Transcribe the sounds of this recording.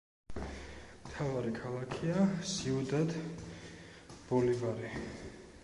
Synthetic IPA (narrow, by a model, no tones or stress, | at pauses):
mt̪ʰavaɾikʰalˠakʰiasiud̪at̪ | b̥ɔlivaɾi